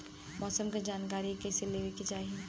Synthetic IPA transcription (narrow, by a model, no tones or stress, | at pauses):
mɔːsəmked͡ʒaːnkaːɾikɛseleːʋekit͡ʃaːie